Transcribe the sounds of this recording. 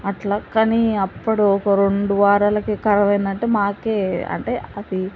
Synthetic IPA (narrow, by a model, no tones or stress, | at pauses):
ɐʈlaːkɐniɐpːuɽuɔkɐɾeɳɖuʋaːɾaːlɐkikɐɾɐʋɐjind̪ɐɳʈe̞ːmaːke̞ːɐ̰ɳʈe̞ːɐd̪i